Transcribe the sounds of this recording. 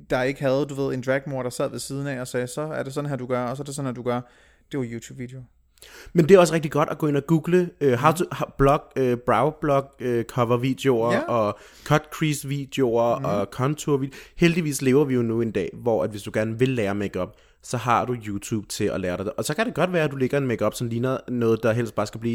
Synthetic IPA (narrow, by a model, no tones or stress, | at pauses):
d̥ɑ̈e̝ɡ̥əɦæð̞̩ˠd̥uʋe̝ð̞̰ˠe̝nd̥ʁæɡ̥̚mo̝ɐɾ̥ɑ̈sæð̰ˠʋe̝siːð̞ˠn̩ɛ̰ɒ̽sɛːsɒ̽æɐd̥e̝sɒ̽n̩ɦæd̥uɡ̥ɶɐɒs̬ɒde̝sɒ̽n̩hæd̥uɡ̥ɶɐ | d̥e̝ʋɑ̈juːt͡sʰuːb̥ʋid̥eo | mend̥e̝æɒ̽s̬əʁeɡ̥d̥iɡ̥ɒ̽ɾ̥æɡ̥ɔ̰ːe̝næɡ̥uːɡ̥ləøɦɑ̈d̥uhɑb̥lɒ̽ɡ̥øb̥ʁɑ̈ʊb̥lɒ̽ɡ̥økʰɒ̽ʋɐʋid̥e̝o̝ɐʔɒ̽ | kʰɒ̽d̥kʰʁisʋiːd̥eo̝ɐɒ̽kʰɒnt͡sʰoɐʋi̥held̥iʋḭːsle̝ːʊɐʋijo̝nue̝nd̥ɛ̰ːʋɒ̰æd̥ʋe̝sd̥uɡ̥æɐnʋe̝lːɛːɐmeɡ̥ɒ̽b̥̚ | sɒ̽ɦɑ̈d̥ujuːt͡sʰṵːb̥̚t͡sʰe̝ɒlɛːɐɾ̥ɑ̈ɪʔɒ̽sɒ̽kʰæɾ̥e̝ɡ̥ɒ̽d̥ʋæːɐæd̥ule̝ɡ̥ɐe̝nmeɡ̥ɒ̽b̥sɒ̽n̩liːnɐnɔ̽ːð̞̩ˠd̥ɑ̈ɦel̰sd̥b̥ɑ̈ːsɡ̥æb̥liː